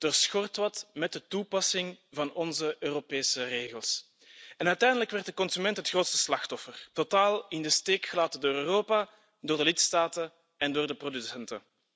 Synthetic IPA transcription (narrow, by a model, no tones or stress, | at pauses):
d̥oːrsxɔrtʋɑtmɛt̚dətupɑsɪŋvɑnɔnzəʔøːropeːsəreːɣəlˠs | ɛnœɥtɛjndələkʋɛrt̚dəkɔnsymɛntɦətxroːtstə̥slɑxtɔfərtotaːlˠɪndəsteːkxəlaːtədoːɾøːroːpaː | doːrdəlɪtstaːtə | ɛndoːrdəprodysɛntə